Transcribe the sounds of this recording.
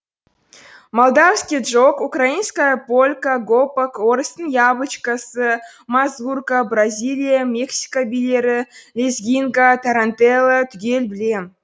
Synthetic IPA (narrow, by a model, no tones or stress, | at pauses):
molˠd̪ɑfskʲijdʐokukrainskajəpolʲkaɡopakwoɾəst̪ənjɑbˠət͡ʃkasə | mazvurkabrazʲilʲijamʲeksʲi̥kabʲilʲeɾɪlʲezʲɡʲiŋɡat̪aɾant̪elˠət̪ʰʏkʲelʲbɪlʲe